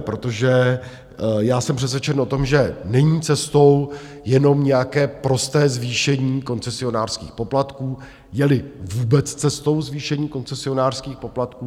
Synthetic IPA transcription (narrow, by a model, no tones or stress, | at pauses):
pɾo̞t̪o̞ʒɛ | jaːsɛmpr̥ɛs̬vjɛt͡ʃɛno̞t̪o̞mʒɛnɛɲiːt͡sɛst̪o̞w | jɛno̞mɲɛjakɛːpɾo̞st̪ɛːzviːʃɛɲiːko̞nt͡sɛsɪo̞naːr̥skiːxpo̞plat̪kuː | jɛlɪvuːbɛt͡st͡sɛst̪o̞wzviːʃɛɲiːko̞nt͡sɛsɪo̞naːr̥skiːxpo̞plat̪̚kuː